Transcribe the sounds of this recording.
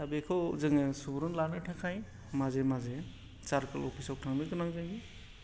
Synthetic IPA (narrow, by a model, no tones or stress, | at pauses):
abekʰɔwzɯŋɯsubɾunlanɯtʰakʰaj | mazemaze | t͡ʃaɾkalɔpʰisawtʰaŋnɯkɯnaŋzajɡi